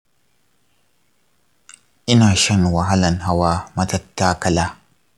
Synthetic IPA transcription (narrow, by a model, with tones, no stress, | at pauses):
ʔɪ˦naː˨ʃɐ˦nwa˨ɦa˦lɐ˨nɦa˦waː˦mɐ˦tɐ˦tːaː˦kɐ˦laː˦